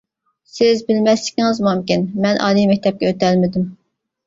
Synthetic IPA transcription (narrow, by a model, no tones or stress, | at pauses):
sɪzbɪlmɛslɪ̥kʲiŋɨzmumkʲinmɛnʔɑ̰ːlijmɛk̚ʲt̪ʰɛp̚kʲɛøt̪ɛlmɪd̪ym